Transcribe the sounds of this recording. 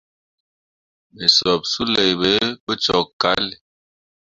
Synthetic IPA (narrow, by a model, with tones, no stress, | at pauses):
be˨sɔ˨p̚su˦le˨be˨˦bə˦t͡ʃɔ˨kːa̰˨˦l